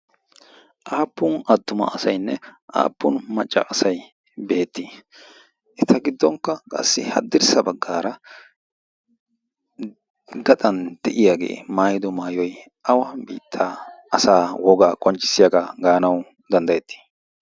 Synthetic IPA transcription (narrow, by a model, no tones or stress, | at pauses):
ʔaːpːʊnɐd̪ːʊmɐ̰ʔɐsɐjnːɛʔa̰ːpːʊnmɐt͡ʃʼːɐ̰ʔɐsɐj | be̞ːt̪ːi | ʔɛt̪ʰɐɡɪd̪ːɔŋkːɐkʼɐ̰sːɪhɐ̰d̪ːɪɾsɐbɐɡːaːɾɐ | ɡɐt̪ʼɐnd̪̥ɛʔɪjaːɡe̞̰ːmaːjɪd̪ɔmaːjɔj | ʔɐwɐbḭːt̪ʰːaɐsaːwɔɡaːkʼɔnt͡ʃʼːɪ̥sɪjaɡɐɡaːnɐw | d̪ɐnd̪ɐjɛt̪ʰːi̥